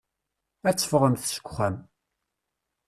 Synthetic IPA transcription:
æt͡sːə̥fʁəmθʃə̥kʷːχæm

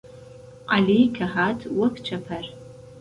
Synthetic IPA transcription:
ʔalijkʰɐħaːtʰwɐpʰt͡ʃʷʰɐpʰɐr

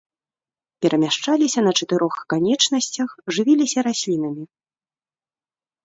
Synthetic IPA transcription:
pʲɛɾʔɐmʲaʂt͡ʂalʲisʲɐnɐt͡ʂɐt̪ɨɾɔxkanʲɛt͡ʂnɐsʲt͡sʲɐxʐɨvʲilʲisʲɐɾasʲlʲinɐmʲi

